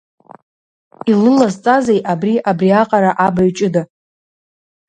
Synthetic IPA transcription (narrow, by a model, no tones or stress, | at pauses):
ilɨlazt͡sʼazejʔabriʔabriaqʼaɾaʔabaɥt͡ʃʼɪda